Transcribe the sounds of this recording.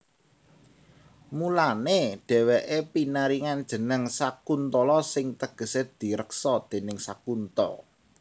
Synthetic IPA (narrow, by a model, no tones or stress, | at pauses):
mulaneɖ̥ɛ̤weʔepinəɾiŋand̥ʒ̥ə̤nəŋsakunt̪ɔlɔsɪŋt̪əɡ̥ə̤sed̪̥i̤ɾəksɔd̪̥e̤nɪŋsakunt̪ɔ